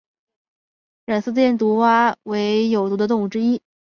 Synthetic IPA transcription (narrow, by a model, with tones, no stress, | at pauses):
ɻa˨˩nsɹ̩˥˧jɛ˥˩nt̪u˧˥wa˥we˧˥ɪjo˨˩ʊt̪u˧˥d̪ə˧t̪ʊ˥˧ŋu˥˩ʈ͡ʂɻ̩˥i˥